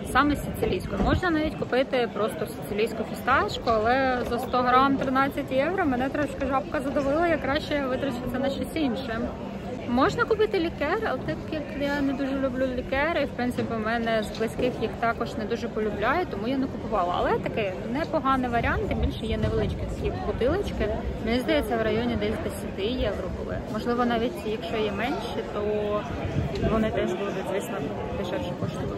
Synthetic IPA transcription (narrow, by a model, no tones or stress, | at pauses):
sɑmɛsʲet̪sɪlʲijsʲkɔjmɔʒnɐnɑʋʲitʲkʊpɪt̪ɪpɾɔst̪ɔsʲe̥t̪sɪlʲijsʲkʊfʲist̪ɑt͡ʃkʊɐlˠɛzɐst̪ɔɦɾɑmt̪ɾɪnɑt͡sʲːɐtʲjɛʋɾɐmɛnɛt̪ɾɔt͡ʃkɐʒɑpkɐzɐd̪ɔʋɪlˠɐjɐkːɾɑʃt͡ʃɛʋɪt̪ɾɐt͡ʃɪsʲɐnɐʃt͡ʃɔsʲinʃɪm | mɔʒnɐkʊpɪt̪ɪlʲikɛrɐlˠɛt̪ɪt̪kʲɪɐklˠɪjanɛd̪uʒɛlʲʊblʲulʲikɛɾɪiwpɾɪnt̪sɪpʲimɛnɛzblˠɪsʲkɪxjixt̪ɑkɔʒnɛd̪uʒɛpɔlʲʊblʲɑjɛt̪ɔmujanɛkʊpʊʋɑlˠɐɐ̰lˠɛt̪ɐkɪj | nɛpɔɦɑnɪʋɐɾʲɑnt̪ɪbʲilʲʃɛjɛnɛʋelˠɪt͡ʃkisʲjʲikʊt̪ɪlˠɪt͡ʃkɪmenʲizd̪ɐjɛt͡sʲːɐwɾɐjɔnʲid̪ɛsʲd̪esʲɐt̪ɪjɛʋɾɔbʊ̰lˠɪ̰mɔʒlˠɪʋɔnɑʋʲitʲjɐkʃt͡ʃɔjɛmɛnʲʃit̪ɔ | ʋɔnɪt̪ɛsʲbʊlˠɔb̪ʲɪzʲʋɪsʲmɐ | b̪ɪʃɛʃɛkɔʃt̪ɔ